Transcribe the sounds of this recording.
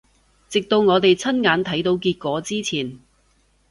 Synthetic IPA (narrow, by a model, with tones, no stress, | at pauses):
t͡sɪ˨k̚t̪o˧wŋɔː˨˧t̪e˨jt͡sʰɐ˥nŋaː˨˧nt̪ʰɐ˨˥jt̪o˨˧wkiː˧t̚kʷɔː˨˥t͡siː˥t͡sʰiː˨˩n